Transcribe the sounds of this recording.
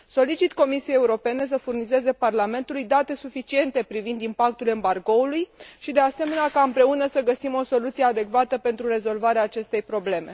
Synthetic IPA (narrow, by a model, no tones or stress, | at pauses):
so̞lit͡ʃit̪ko̞misije̞jeuɾo̞pe̞ne̞s̬əfurnize̞ze̞parlame̞nt̪ulujd̪at̪e̞sufit͡ʃie̞nt̪e̞pɾivind̪impak̚t̪ule̞mbarɡo̞ulujʃid̪e̞ase̞me̞neakaɨmpɾe̞unəsəɡəsimo̞so̞lut̪sijead̪e̞kvat̪əpe̞nt̪ɾuɾe̞zo̞lvaɾeaːt͡ʃe̞st̪e̞jpɾo̞ble̞me̞